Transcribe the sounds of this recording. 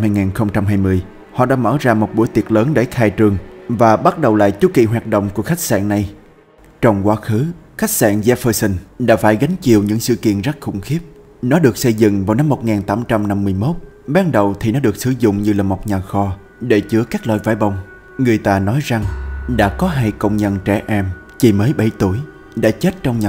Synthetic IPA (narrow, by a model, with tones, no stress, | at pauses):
mhaː˧jŋaː˨˩nxə˧wŋ͡mt͡ɕa˧mɦaː˧jmɨ˧əj | hɔ̰˧˨ɗa̰ː˧˥mə̰ː˧˩zaː˧mo˨˩t̚ɓu˧˩əjt̪i˨˩ət̚ləː˨˦nɗe˧˩xaː˧jt͡ɕɨ˨˩əŋvaː˨˩ɓa˦˥t̚ɗə˨˩wla̰ː˧˨jt͡ɕu˨˦kḭ˧˨ɦwaː˨˩t̚ɗə̰˧˨wŋ͡mku˧˩əxa˦˥jk̟̚sa̰ː˧˨nna˨˩j | t͡ɕɔ˧wŋ͡mkwaː˨˦xɨ˨˦xa˦˥jk̚sa̰ː˧˨nzaː˧fəː˧sə˧nɗa̰ː˧˥faː˧˩jɣa˨˦jŋ̟t͡ɕi˨˩əwɲɨ̰˧˥ŋsɨ̰˧˨kḭ˧˨ənza˦˥t̚xʊ̰˧˩ŋ͡mxi˦˥əp̚ | nɔ˨˦ɗɨ˨˩ək̚sə˧jzɨ̰˧˨ŋvaː˨˩wna˧mːo˨˩t̚ŋaː˨˩nt̪aː˨˦mt͡ɕa˧mna˧mːɨ˧əjmo˦˥t̚ | ɓaː˨˧nɗə˨˩wt̪ʰi˨˩nɔ˨˦ɗɨ˨˩ək̚sɨ˧˩˦zʊ̰˧˨ŋ͡mɲɨ˧laː˨˩mo˨˩t̚ɲaː˨˩xɔ˧ | ɗe˧˩t͡ɕɨ˨˦əkaː˦˥k̚lwa̰ː˧˨jva̰ː˧˩jɓə˧˩wŋ͡m | ŋɨ˨˩əjt̪aː˧nɔ˨˦jza˨˩ŋɗa̰ː˧˥kɔ˨˦ɦa˧jkə̰˧wŋ͡mɲə̰˧nt͡ɕɛ˧˩ʔɛ˧mt͡ɕi˨˩məː˨˦jɓə˧˩jt̪u˧˩əj | ɗa̰ː˧˥t͡ɕe˦˥t̚t͡ɕɔ˧wŋ͡mɲaː˨